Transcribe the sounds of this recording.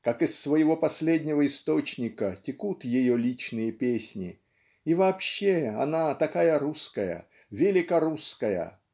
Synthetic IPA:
kakɪsːvəjɪvo̞pɐsʲlʲedʲnʲɪvəɪst̪o̞t͡ɕnʲɪkətʲɪkut̪jɪjolʲit͡ɕnɨjəpʲesʲnʲɪ | ivɐːpɕːeɐnat̪ɐkajəɾuskəjə̰ | vʲɪlʲɪkɐɾuskəjə̰

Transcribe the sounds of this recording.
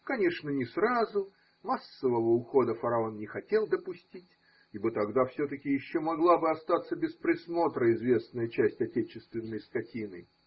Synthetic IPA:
kɐnʲe̞ʂnənʲɪsrazʊ | masːəvəvəʊxo̞d̪əfəɾɐo̞nnʲɪxɐtʲe̞lˠd̪əpʊsʲtʲitʲ | ibɨt̪ɐɡd̪afsʲot̪əkʲɪjɪɕːomɐɡlˠabɨɐst̪at̪sːəbʲɪspɾʲɪsmo̞t̪ɾəɪzvʲe̞snəjət͡ɕæsʲtʲɐtʲet͡ɕɪst̪vʲɪnːəjskɐtʲinɨ

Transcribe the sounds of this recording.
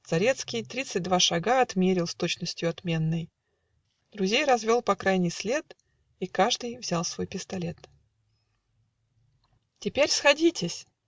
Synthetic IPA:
z̥ɐɾʲe̞t̪skʲɪjt̪ɾʲit̪sɨt̚ʲd̪vaʂɐɡaɐt̪mʲeɾʲɪlˠst̪o̞t͡ɕnəsʲtʲjʊɐt̪mʲe̞nːəj | d̪̥ɾʊzʲejɾɐzvʲo̞lˠpɐkɾajnʲɪjsʲlʲe̞t̪ | ikaʐd̪ɨjvzʲalˠsvo̞jpʲɪst̪ɐlʲe̞t̪ | tʲɪpʲeɾʲsxɐdʲitʲɪsʲ

